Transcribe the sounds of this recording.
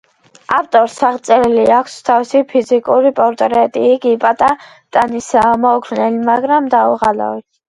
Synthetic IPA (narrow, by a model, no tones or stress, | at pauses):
aft̪ʼɔɾsaʁt̪sʼɛɾiliakʷʰst̪ʰavisipʰizikʼuɾipʼɔɾt̪ʼɾɛt̪ʼiːɡipʼat̪ʼa | t̪ʼanisamɔɡʰɾnɛlimaɡɾamd̪auʁala̰vi